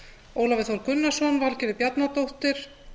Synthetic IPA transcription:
owlavɪθvɔɾkʏnːasɔnvalcɪɾɪpjat̪nat̪owht̪ɪɾ̥

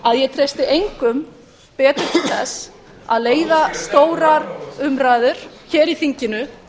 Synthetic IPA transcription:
aðjɛt̪ʰɾejst̪ɪʔejŋkʏm | pɛːt̪ʏɾ̥t̪ʰɪlθɛs | a̰ðleːjðast̪oːwɾaɾʏmɾaːjðʏɾ̥çɛːɾiθiɲcɪnʏ

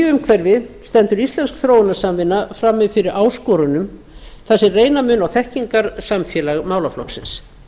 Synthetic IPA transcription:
ʏmkʰvɛɾvɪst̪ɛnt̪ʏɾist̪lɛnskθɾoːwɪnasamvɪnːafɾamːɪðfɪɾɪɾaːwskɔɾʏnʏm | θasɪreːjnamʏnawθɛhciŋkaɾ̥samfjɛːlaɣmaːwlaflɔ̰ksɪ̰ns

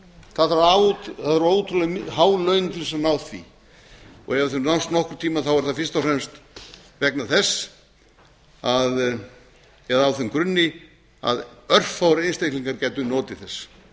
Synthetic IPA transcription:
θaðaɾaaðɾoːwut̪ʰɾulɛɦaːwlœɥnt̪ʰɪlvɛsanawθvḭ | ɔ̰ɣɛvɪɾθʏnawnst̪nɔhkɾʏ̥t̪ʰiːmaθawɛɾ̥θafɪrst̪awfrɾɛmst̪ | vɛknaθɛsː | að | jɛðawθʏmkɾʏnːɪ | a̰ðœr̥fawɾɪejnst̪ejkliŋkaɾcajt̪ʏnɔːt̪ɪ̥θɛsː

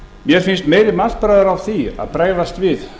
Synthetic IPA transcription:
mjɛɾ̥fɪnst̪meːjɾɪmal̥t̪pɾaːjðʏɾavθia̰ðpɾaːjðast̪vɪð

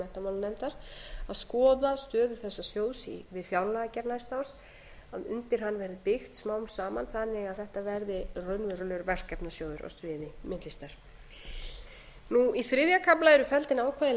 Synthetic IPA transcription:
ɛht̪amawlnɛmt̪aɾ̥aðskɔːðast̪œːðʏ̥θɛsːasjoːwsḭvɪðfjawlaacɛɾnast̪aws | aðʏ̰nt̪ɪɾ̥ɦanːvɛɾðɪpɪxt̪smaːwmsaːmanθanːɪɣaðθɛht̪avɛɾðɪrœɥnvʏɾʏlʏɾvɛr̥kɛpnasjoːwðʏɾɔ̰svɪːðɪmɪt̪lɪst̪aɾ̥ | nuiθɾɪðjakʰaplaɛɾʏfɛlt̪ɪnaːwkʰvaðɪ

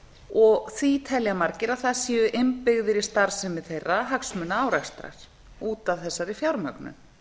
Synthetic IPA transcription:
ɔɣθvit̪ʰɛljamaɾcɪɾaðθaðsiːʏʔɪmpɪɣðɪɾɪst̪aɾ̥sɛmɪθejrːaɦaksmʏnːaawɾɛxst̪ɾa̰ɾ̥ | uːt̪aðθɛsːaɾifjawɾmœknʏ̰m

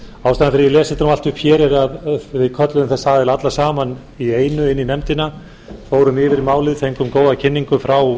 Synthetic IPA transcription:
awst̪aːnanfɪɾɪlɛːsɪnt̪aɾamal̥t̪ʏpʰçɛːɾɪɾaðvɪðkʰœt̪lʏðʏmθɛsaðɛlat̪lasaːman | ieːjnʏɪnːinɛmt̪ɪna | foːwɾʏmɪːvɪɾimaːwlɪðθejŋkʏmkoːwðacʰɪnːiŋkʏfɾaw

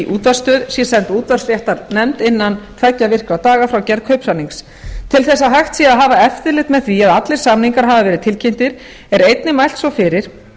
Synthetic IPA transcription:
ʔuːt̪vḁst̪œːðsjɛsɛnt̪uːt̪var̥sɾjɛht̪aɾnɛmt̪ɪnːant̪ʰvajcːavɪr̥kɾat̪aːɣafɾawcɛɾðkʰœɥpsaniŋks | t̪ʰɪlθɛsːaɦajxt̪siaðɦaːvaɛft̪ɪɾlɪxt̪mɛðθviaðat̪lɪɾ̥samniŋkaɾ̥ɦaːvavɛːɾɪðt̪ʰɪlcʰejm̥t̪ɪɾ | ɛɾejt̪nɪmajl̥t̪svɔfɪɾɪɾ̥

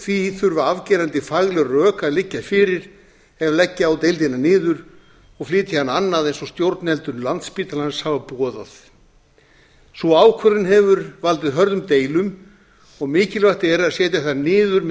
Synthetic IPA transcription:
θviθʏɾvaavcɛːɾant̪ɪfaɣlɪrœːkaðlɪcːafɪːɾɪɾ̥ | ɛvlɛcːɪawt̪ejlt̪ɪnanɪːðʏɾ | ɔɣflɪːt̪ɪhanːanːaðejnsɔst̪jowɾt̪nɛlt̪ʏnlant̪spiːt̪alanshavapɔːðaθ | sɔaːwkʰvœlɪnɦɛvʏɾvalt̪ɪðɦœɾðʏmt̪eːjlʏm | ɔɣmɪːcɪlvaht̪ɪɛɾaðsjɛːt̪jaθanɪːðʏɾm

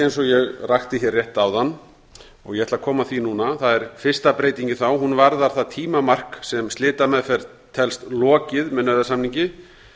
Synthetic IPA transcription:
ejnsɔjɛɣraxt̪ɪçjɛrːjɛht̪aːwðanː | ɔɣjɛɛt̪lakʰɔːmaθinuːnaθaðɛɾ̥fɪr̥st̪apɾeːjt̪iɲcɪθawɦunvaɾðaɾ̥θaðt̪ʰiːmamar̥ksɛmst̪lɪːt̪amɛðfɛɾ | t̪ʰɛlst̪lɔːcɪðmɛnœðasamniɲcɪ

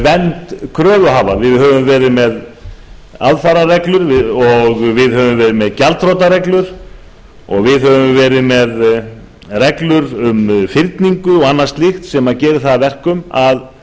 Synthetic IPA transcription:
vɛnt̪kʰɾœːvʏɦaːvavɪðhœːvʏmvɛːɾɪðmɛð | a̰ðfaɾarɛklʏɾvɪɔɣvɪðhœvʏmvɛːɾɪmɛðcalt̪ʰɾowt̪aɾɛklʏɾ̥ | ɔ̰ɣvɪðɦœvʏmvɛːɾɪðmɛð | rɛklʏɾʏmfɪɾt̪niŋkʏɔɣanːast̪lɪxt̪sɛmacɛːɾɪθaðvɛr̥kʏmað

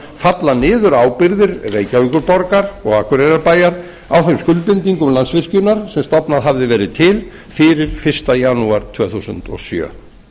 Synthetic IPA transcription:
fat̪lanɪːðʏɾaːwpɪɾðɪɾreːjcavikʏɾpɔɾkaɾɔɣakʰvɛɾɛɾaɾpaːjaɾ | awθejmskʏlpɪnt̪iŋkʏmlansvɪr̥cʏnaɾ̥sɛmst̪ɔpnaðɦavðɪvɛːɾɪðt̪ʰɪl | fɪɾɪɾ̥fɪr̥st̪ajanuaɾ̥t̪ʰv̥œːθusʏ̰nt̪ɔ̰sjœ̰ː

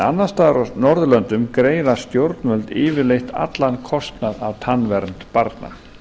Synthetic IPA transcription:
a̰nːast̪anɔɾðʏlœnt̪ʏmkɾeːjɾast̪jowɾt̪nmœlt̪ɪːvɪlejht̪ʰa̰t̪lankʰɔst̪naðavt̪ʰanːvɛɾnt̪paɾt̪na̰

